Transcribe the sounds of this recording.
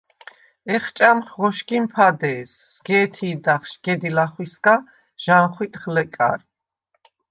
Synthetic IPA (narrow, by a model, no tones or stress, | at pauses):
ɛχt͡ʃʼamχʁɔʃkʼimpʰad̪ɛːsːɡɛːt̪ʰiːd̪aχʃɡɛd̪ilaχwisɡa | ʒ̥anχwit̪ʼχlɛkʼa̰ɾ